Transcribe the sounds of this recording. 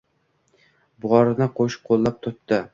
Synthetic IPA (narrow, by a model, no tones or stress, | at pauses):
bʊʁɒɾɪnɪqʰoʃqʰolˠːap̚t̪ʰʊt̪t̪ːɪ